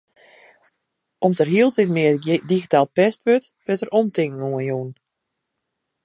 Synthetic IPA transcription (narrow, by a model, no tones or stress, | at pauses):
ʔɔmsərɦiəlˠtɪtmɪədiɣitaːlˠpɛstʋøtʋøtərʔɔmtɪŋŋuənjuːn